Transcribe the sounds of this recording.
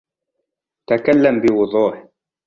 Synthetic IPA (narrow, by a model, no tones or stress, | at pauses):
t̪akalːambɪwʊðˤuːħ